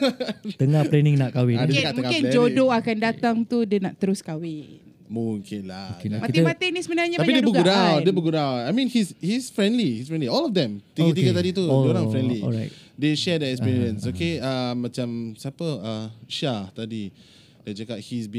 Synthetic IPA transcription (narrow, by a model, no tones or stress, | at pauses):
t̪əŋalɛnɪ̃ŋnaʔkawindəkaməuŋaɪnlɛd͡ʒodoakandat̪aŋt̪udiənaʔt̪əɾʊskawɪn | muŋkʰɪnla̰mat̪imat̪ɛnisəmənaɲaapidedubəɡuɾawdebəɡudawajmĩnhishisfɾɛ̃ndlihisfɹɛ̃ndliɔlɔfdɛ̃mt̪iɡət̪iɡət̪adit̪udoɾãŋfɾɛ̃ndlḭdeʃɛdɛɛkspiɹiə̃nsokeamːãt͡ʃamsəapəəʃat̪adi | ded͡ʒakap̚hisbi